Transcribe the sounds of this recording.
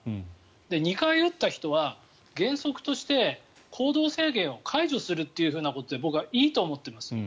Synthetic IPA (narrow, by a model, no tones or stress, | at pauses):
d̪e̞ɲ̟ikaijot̪ːaçi̥t̪o̞β̞a | ɡẽ̞ɰ̃so̞kɯ̟̥t̪o̞ɕi̥t̪e̞ | kʰo̞ːd̪o̞ːse̞ːɡẽ̞ɰ̃o̞kʰaiʑo̞sɨɾɯ̟t̪ːe̞jɯ̟ɸɯ̟ːnako̞t̪o̞d̪e̞bo̞kɯ̟βaʔiːt̪o̞ːmo̞t̪ːe̞masɨ̥